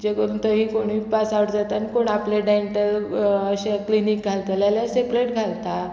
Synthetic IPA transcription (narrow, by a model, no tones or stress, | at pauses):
d͡ʑeɡəɾunt̪əɦĩkoɽ̃iːpasaʋəʈd͡zat̪anikoɳapleɖaiɳʈələɕẽklinik̚ɡʱalt̪əljaljasekleʈɡʱalt̪a